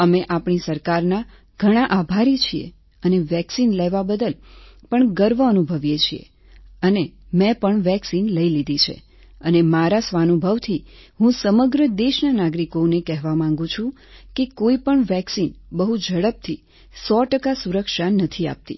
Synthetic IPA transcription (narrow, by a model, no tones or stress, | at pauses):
əmeʔapɳisəɾkaɾna | ɡ̥ʱəɽ̃aʔabʱaɾit͡ʃʰiḛ | əneʋɛksinlɛʋabəd̪əlpəɳɡəɾʋəənubʱəʋjet͡ʃʰḭḛ | ənemɛ̃pəɳʋɛksinləilid̪it͡ʃʰḛ | ənemaɾasʋanubʱəʋt̪ʰi | ɦũsəməɡɾəd̪eʃnanaɡɾikonekɛɦʋamãŋ̆ɡũt͡ʃʰũ | kekoipəɳʋɛksinbəɦud͡ʒʱəɽəp̚t̪ʰi | sɔʈəkasuɾəkʃanət̪ʰia̰p̚t̪ḭ